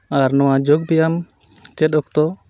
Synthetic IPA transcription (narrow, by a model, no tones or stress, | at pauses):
aɾnɔwad͡ʒoɡ̚bɛjam | t͡ʃɛt̪̚ɔk̚t̪ɔ